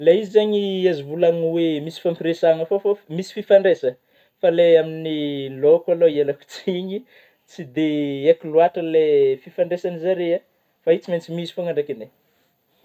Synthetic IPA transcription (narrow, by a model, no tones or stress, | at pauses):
leizizaɲiazivulanwemisi̥fampiresaŋəfofomisi̥fifaɳɖ͡ʐesə | faleaminilokʲaloielaku̥t͡siɲi | t͡sid̪eekiluaʈ͡ʂəlefifaɳɖ͡ʐesanizaɾea | fait͡siment͡simizifaŋaɳakine